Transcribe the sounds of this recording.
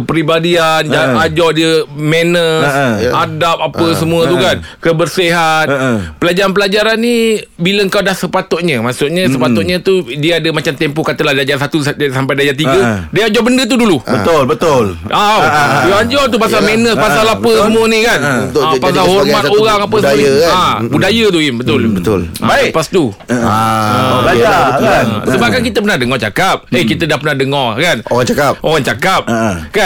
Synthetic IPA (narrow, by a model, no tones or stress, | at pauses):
pɾibadiand͡ʒaad͡ʒɔdiəmenəsadap̚apəsəmũət̪ukan | kəbərsiɦat̪pəlad͡ʒaɾanpəlad͡ʒaɾanːibiləəŋkawdahsəpat̪ɔʔɲə̃maʔsuʔɲəsəpat̪ɔʔ̚ɲə̃t̪udiəadəmat͡ʃamt̪empɔkat̪əlahdiad͡ʒasat̪ussampajdad͡ʒat̪̬iɡədiəad͡ʒɔbəndət̪̬udulubət̪olbət̪olʔawoaɲd͡ʒɔt̪upasalmɛnəspasalapəsəmũənikanut̪pasalhɔmat̪oɣaŋapəsəəabudajət̪̬uimbət̪ʊlbət̪ʊlaapast̪u | baaasəbap̚kankit̪əpənahdəŋɔt͡ʃakap̚əkit̪ədahpənahdəŋɔkanoɣaŋt͡ʃakapʔoɣaŋt͡ʃakap̚ka